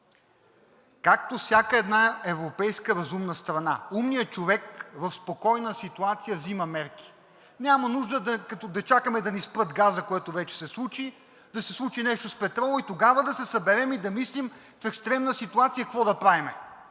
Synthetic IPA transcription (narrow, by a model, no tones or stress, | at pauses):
kak̚t̪ofsʲjakəɛd̪naɛvɾopɛjskəɾɐzumnəst̪ɾɐna̰umnijət͡ʃovɛkvɐfspokɔjnəsit̪uat̪sijəvzimɐmɛɾki̥ | nʲamɐnuʒd̪əd̪ɐkɐt̪ɔd̪ɐt͡ʃakəmɛd̪ɐnispɾɤt̪ɡazəkoɛt̪ovɛt͡ʃɛ̥sɛslˠut͡ʃi | d̪ɐsɛslˠut͡ʃinɛʃt̪ospɛt̪ɾɔlˠʊit̪oɡavəd̪ɐsɛsɐbɛɾɛmid̪ɐmislim | fɛkst̪ɾɛmnəsit̪uat̪sijəkkvɔd̪ɐpɾavimɛ